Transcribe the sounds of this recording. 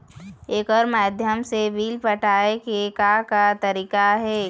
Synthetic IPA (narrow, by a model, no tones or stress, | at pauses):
eːkɔːɾmaːd̪ʱjəmsebiːlpəʈaːekekakat̪əɾiːkaɦɛː